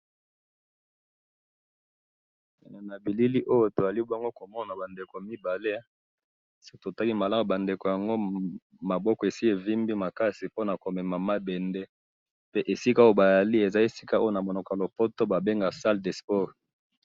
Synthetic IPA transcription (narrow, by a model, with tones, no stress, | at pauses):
e˨ne˨na˨bi˨li˦li˦ʔo˦jo˨to˨za˨li˦bŋɡo˦ko˨mɔ˦˨na˨ba˨nde˨ko˨mi˦ba˨le˦ | si˦kto˨ta˦ki˦ma˨la˦mo˨ba˨nde˨ko˨ja˨ŋɡo˦ | ma˨bɔ˦kɔ˨e˨si˦e˨vi˦mbi˦ma˨ka˦si˨po˦na˨ko˨mɛ˨ma˨ma˦bɛ˨nde˦ | pe˦ʔe˨si˦ka˦o˦o˦ba˨ja˨li˦e˨za˦e˨si̥˦ka˦o˦o˨na˨mo˨no˨ka˨lo˨po˦to˦ba˨be˦ŋɡa˨sa˦lde˨spɔ˦ʁ